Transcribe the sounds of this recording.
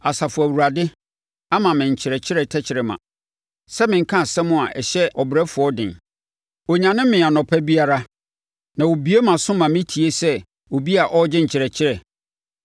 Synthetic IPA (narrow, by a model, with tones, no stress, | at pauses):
a˨sa˨fʊ˨æ˨wu˨ɾa˨dɪ˦ | a˦mã˨mɪ̃˨ɲ̩˨t͡ɕʰɪ˨ɾɛ˨t͡ɕʰɪ˦ɾɛ˨tʰɛ˦t͡ɕʰɪ˨ɾɪ˨mã̰˨ | sɛ˦mɪ̃˨ŋ̩˦kʰã˦˨sɛ̃˦mʊ̃˦a˨ʔɛ˨ɕɛ˦ɔ˨bɪ˨ɾɛ˦fʊ˨ɔ˦dɪ̰̃˨n | ɔ˨ɲã˨nɪ̃˦m˦mɪ̃˨a˨nɔ̃˨pʰɛ˦bi˦a˦ɾa˦ | nã˨wo˨bi˨˦e˦mã˨sʊ̃˦mã˨mɪ̃˦tʰi˨e˦sɛ˦ | wo˨bi˦a˨ʔɔ˦d͡ʑɪ˦ɲ̩˨t͡ɕʰɪ˨ɾɛ˨t͡ɕʰɪ˦ɾɛ˨